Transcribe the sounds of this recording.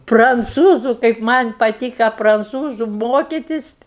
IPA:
prɐnˈt͡suːzʊ kɐɪp ˈmɐnʲ pɐˈtʲiːkɐ prɐnˈt͡suːzʊ ˈmoːkʲɪtʲɪs

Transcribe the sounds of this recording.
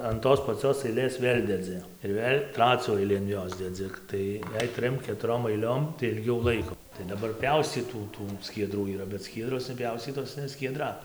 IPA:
ɐn ˈtoːs pɐˈt͡sʲoːs ɐɪˈlʲeːs ˈʋʲeːlʲ dʲɛˈd͡zʲɪ ɪr ˈʋʲeːlʲ ˈtrɑːt͡sʲuː ˈɐɪlʲiː ɐn ˈjoːs dʲɛˈd͡zʲɪ ˈtɐɪ jɛɪ ˈtʲrʲɪm kʲɛtʊˈroːm ɐɪˈlʲoːm tɐɪ ɪlʲˈɡʲɛʊ lˠɐɪkoː tɐɪ dɐˈbɐr ˈpʲɛʊsʲt͡sʲiːtuː ˈtuː sʲkʲiɛˈdruː iːˈrɐ bʲɛt ˈsʲkʲiɛdroːs nʲɛˈpʲjɛʊsʲt͡sʲiːtoːs nʲɛ sʲkʲiɛˈdrɐ

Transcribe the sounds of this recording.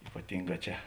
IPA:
iːpɐˈtʲɪŋˌɡɑː ˈt͡ʃʲɛ

